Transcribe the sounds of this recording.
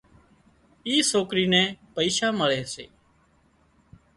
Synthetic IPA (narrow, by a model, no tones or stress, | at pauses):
iːsoːkɾiːnɛ̃ːpəiːʃaːməɭɛːsḛː